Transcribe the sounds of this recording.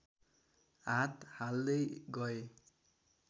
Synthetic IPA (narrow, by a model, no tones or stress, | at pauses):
ɦãt̪hald̪ʌjɡʌe